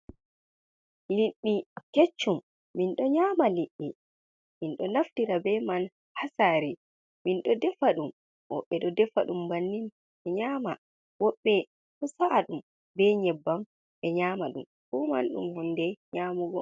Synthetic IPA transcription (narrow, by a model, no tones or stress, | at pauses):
liɗːiket͡ʃːumː | inɗɔɲaːmaliɗːi | minɗɔnaftiɾabɛman | hasaːɾi | minɗɔdɛfaɗum | wɔ̰ɓːɛɗɔdɛfaɗumbanːin | ɛɲaːma̰ | wɔɓːɛ | tɔsaʔaɗum | bɛɲɛbːam | ʔɛɲamaɗṵm | ɓɔma̰nɗṵmhɔndɛɲaːmuɡɔ